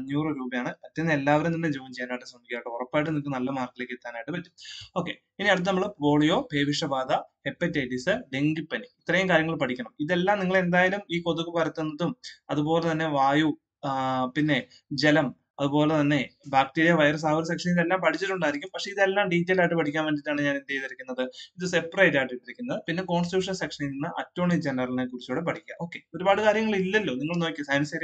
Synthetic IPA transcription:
ɐɲːjuːrɨɾuːbɐjaːɳɨpɐtːɐnːelːaːʋɐɾemninːed͡ʑeːmt͡ɕejaːnːaːjiʈːɨsɐmikʲːjaːjʈːɨurɐpːaːjiʈ̬ːɨnikːɨnɐlːɐmaːrkːile̞ːkːet̪ːaːnaːjʈːɨpɐtːu̥mo̞ːkːe̞̰ | piniɐɽut̪̬ːɨnɐmːɐɭboːɭijo̞ːpe̞ːʋiʂɐbaːd̪ɐhepːɐtːeːʈːisɨɖe̞ŋɡipːɐniit̪ːrɐjumkaːɾjɐŋːɐɭpɐʈʰikʲːɐɳɐmiðe̞lːaːmniŋːɐɭe̞nd̪aːjɐlumiːko̞ðukːɨpɐɾɐt̪ːunːɐðumɐðubo̞ːlet̪ɐnːe̞ʋaːju | pinːe̞ | d͡ʑe̞lɐm | ɐðubo̞ːle̞t̪ɐnːe̞baːk̚ʈeːɾijɐʋɐjɐrs̬aːʋɐɾsɐkʂɐniðelːaːmpɐʈʰit͡ɕːiʈːuɳɖaːjiɾikʲːumpɐkʂe̞iðe̞lːaːmɖiːtːelaːiʈːɨpɐʈʰikʲːaːnʋeːɳɖiʈːaːɳɨɲaːnind̪ejðiɾɐkʲːunːɐðɨiðɨsepːɐrɐjtːaːjʈːiʈːiɾɐkʲːunːɐðɨpinːe̞ko̞ːɳstijuːʂɐnsekʂɐniinːɨʔɐtːoːɳid͡ʑenɐrɐlnakuɽit͡ɕːuːɽepɐʈʰikʲːa̰mo̞ːkːe̞o̞ɾubaːɽɨkaːɾjɐŋːɐɭilːɐlːo̞ːniŋːɐɭno̞ːkʲːisɐjnɐsɐɾ

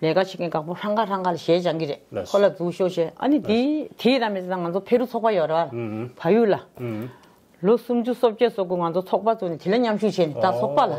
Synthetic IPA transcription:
lɛːkat͡ɕʰeʔkekapoʂaŋkaraŋkalaɕɛːt͡ɕaŋɡiɹekʰolat͡suːɕot͡ɕɛːɐ̰nit̪it̪ʰiɾamet͡saŋant͡sʰopʰeɾut͡sʰɔʔpajørealpʰajyːʔla | losumt͡ɕusop̚cesokyːŋant͡sʰot͡sʰɔʔ̚pat͡suːnɛt̪ʰelaɲamɕuʔt͡ɕʰɛːnet̪at͡sʰɔʔ̚pala

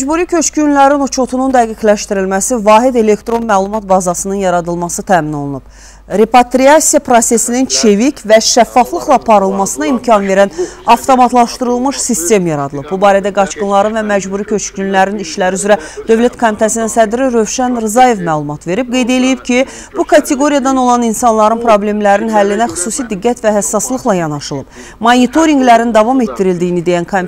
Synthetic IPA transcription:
æd͡ʒbuːɾicʰø̞t͡ʃkynlæɾinut͡ʃʰo̞t̪ʰunund̪æɡiclæʃt̪iɾilmæsivɑːɦid̪e̞le̞kt̪ɾo̞nmæːlˠumɑt̪̚bɑzɑsɯnɯnjɑɾɑd̪ɯlˠmɑsɯt̪ʰæːmino̞lˠunub̥ | ɾe̞pɑt̪ɾiɑsijɑpʰɾose̞sinint͡ʃʰe̞vicʰvæʃæfːɑflˠɯχlˠɑpʰɑɾɯlˠmɑsɯnɑimcʰɑnve̞ɾænɑft̪ʰo̞mɑt̪ʰlˠɑʃt̪ɯɾɯlˠmɯʃsist̪e̞mjɑɾɑd̪ɯlˠɯbbubɑːɾæd̪æɡɑt͡ʃkɯnlˠɑɾɯnvæmæd͡ʒbuːɾicʰø̞t͡ʃɟynlæɾiniʃlæɾiyzɾæd̪̥ø̞vlæt̪kʰomit̪ʰæsininsæd̪ɾiɾø̞vʃænɾɯzɑje̞vmæːlˠumɑt̪ve̞ɾib̚ɡe̞jd̪e̞lijibcʰi | b̥ukʰɑt̪ʰe̞ɡo̞ɾijɑd̪ɑno̞lˠɑninsɑnlˠɑɾɯnpʰɾo̞blʲe̞mlæɾinɦælːinæxy̥suːsid̪iɡːæt̪væɦæsːɑslˠɯχlˠɑjɑnɑʃɯlˠɯb̥ | mɑnit̪ʰo̞ɾiŋɡlæɾind̪ɑvɑme̞t̪ːiɾild̪ijinid̪e̞jænkʰom

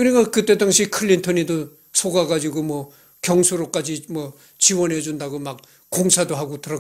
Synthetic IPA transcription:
kɯɾiɡakɯt͈e̞daŋɕʰikʰɯʎːintʰʌnido | sʰoɡaɡad͡ʑiɡomwʌ | kjʌŋsʰoɾok͈ad͡ʑimwʌ | t͡ɕiwʌnɦe̞d͡ʑundaɡomak̚ | koŋsʰadoɦaɡotɯɾʌ

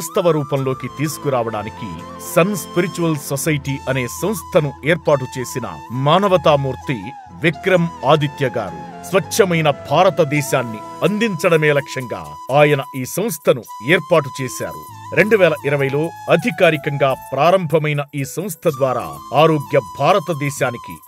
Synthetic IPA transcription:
st̪ɐʋɐɾuːpɐmlo̞ːkit̪iːsu̥kuɾaːʋɐɽa̰ːnikḭ | sɐnspiɾit͡ʃuʋɐlsosɐjʈiːʔɐne̞ːsɐ̃m̃st̪ʰɐnueːɾpaːʈ̬ut͡ʃe̞ːsinɐ̰maːnɐʋɐt̪aːmuːɾt̪i | ʋikɾɐmaːd̪ʱit̪jɐɡa̰ːɾṵ | sʋɐt͡ʃːɐmɐjnɐbʱaːɾɐt̪ɐd̪ɛːʃaːnːi | ɐnd̪iɲt͡ʃɐɽɐmeːlɐkʂɐŋɡa̰ː | aːjɐnɐiːsɐ̃m̃st̪ʰɐnu | eːɾpaːʈ̬ut͡ʃeːsa̰ːɾṵ | ɾe̞ɳɖuʋɛːlɐʔiɾɐʋɐjlo̞ːɐd̪ʱikaːɾikɐŋɡaːpɾaːɾɐmbʱɐmɐjnɐiːsɐ̃mst̪ʰɐd̪ʋaːɾa̰ː | aːɾo̞ːɡjɐbʱaːɾɐt̪ɐd̪ɛːʃaːnikḭ

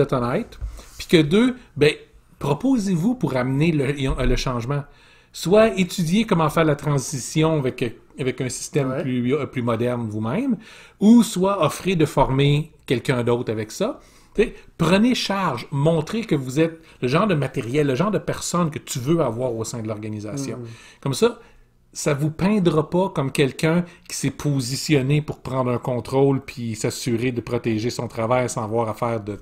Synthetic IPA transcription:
ɛt̪ɑnɛɪt̪pi̥kəd̪øbɛ̃ | pχɔpozevupuʁamnelə̃ləʃɑ̃ʒmã | swaet̪ydzjekɔmɑ̃fɛːʁlat̪χɑ̃zisjɔ̃avɛk | avɛkœ̃si̥st̪ɛmyplymɔd̪ɛʁnvumɛ̃muswaɔfʁed̪əfɔʁmekʲɛlkʲœ̃d̪ɔʊt̪avɛksʌ | t͡sepʁəneʃaʁʒmɔ̃t̪χekəvuzɛt̪̚ | ləʒɑ̃ːʁd̪əmat̪eʁjɛlːəʒɑ̃ːʁd̪əpɛʁsɔnkət̪yvøavwaːʁosɛ̃d̪əlɔʁɡanizasjɔ̃kɔmsʌ | savupɛ̃d̪ʁapɔkɔmkʲɛlkʲœ̃kʲi̥sɛpʰozisjɔnepʊʁpʁɑ̃d̪ʁœ̃˞kɔ̃ːt̪ʁolpʰisasyʁed̪əpʁɔt̪ɛʒesɔ̃t̪ʁavajsɑ̃vwaːʁafɛːʁd̪ə

